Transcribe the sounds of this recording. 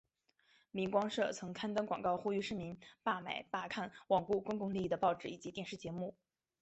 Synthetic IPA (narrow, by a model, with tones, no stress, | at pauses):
mi˧˥ŋkwɑ˥ŋʂɤ˥˩t͡sʰɤ˧˥ŋkʰa˥nt̪ə˥nkwɑ˨˩ŋkɑ˥˧ʊxu˥y˥˧ʂɻ̩˥˩mi˧˥npa˥˩mḛ˨˩ɪpa˥˧kʰa˥˩nwɑ˨˩ŋku˥˩kʊ˥ŋkʊ˥˧ŋli˥˧i˥˩d̪ə˩pɑ˥˩ʊʈ͡ʂɻ̩˨˥˩i˨˩t͡ɕi˧˥t̪jɛ˥˧nʂɻ̩˥˩t͡ɕjɛ˧˥mu˥˩